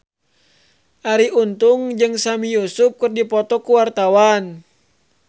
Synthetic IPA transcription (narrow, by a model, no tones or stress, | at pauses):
ʔaɾiunt̪uŋd͡ʒɨŋsamijusup̚kɨrdipɔt̪ɔkuwart̪awan